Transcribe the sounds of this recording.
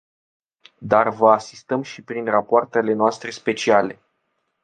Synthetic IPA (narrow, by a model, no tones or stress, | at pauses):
d̪arvəasist̪əmʃipɾinrapoart̪e̞le̞noast̪ɾe̞spe̞t͡ʃiale̞